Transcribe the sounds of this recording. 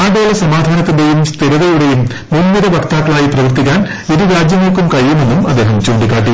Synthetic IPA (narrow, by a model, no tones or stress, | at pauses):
aːɖoːlɐsɐmaːd̪ʱaːnɐt̪ːindejumst̪iɾɐðɐjuɽejum | munnɐɾɐʋɐrt̪aːkːɐɭaːjiprɐʋɐrt̪ik̬ʲːaːn | iɾuɾaːd͡ʑjɐŋːɐɭkːumkɐɻjːume̞nːumɐd̪eːɦɐmt͡ɕoːɳɖikːaːʈ̬ːi